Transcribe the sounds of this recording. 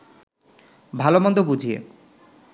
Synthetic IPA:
bʱalomɔnd̪obud͡ʑʱiḛ

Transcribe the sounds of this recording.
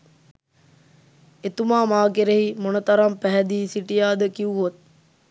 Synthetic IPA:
et̪umaːmaːkeɾeɦimonət̪aɾampæɦɛd̪iːsiʈijaːd̪əkiuɦot̪̚

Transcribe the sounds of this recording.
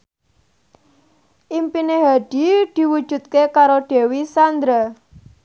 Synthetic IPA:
ʔimpineɦaɖ̥i̤d̪̥i̤wud̥ʒ̥ṳt̪̚kekaɾoɖ̥e̤wisand̪ɾa

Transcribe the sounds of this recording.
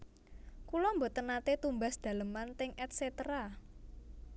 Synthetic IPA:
kulɔmbɔt̪ənat̪et̪umbasd̪̥ä̤ləmant̪ɪŋɛt̪̚set̪ɾa

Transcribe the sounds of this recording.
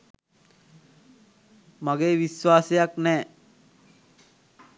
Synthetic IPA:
maɡeːʋisʋaːsejaknɛː

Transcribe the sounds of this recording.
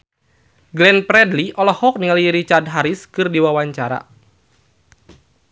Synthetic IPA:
ɡlɛnpɾɛdliʔɔlɔhɔk̚niŋaliɾit͡ʃardɦaɾiskɨrdiwawaɲt͡ʃaɾa̰

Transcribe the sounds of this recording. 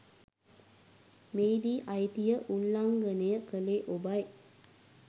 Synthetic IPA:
meːd̪iːʔajt̪ijəʔulːaŋɡənəjəkəleʔobaj

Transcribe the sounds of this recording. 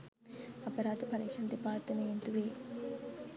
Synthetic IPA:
ɐpəɾaːd̪əpɐɾekʂɐnd̪epaːt̪ːɐmeint̪uʋeː

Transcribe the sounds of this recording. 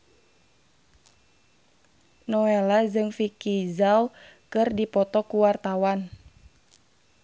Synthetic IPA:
nɔɛlad͡ʒɨŋfikizawkɨrdipɔt̪ɔkuwart̪awan

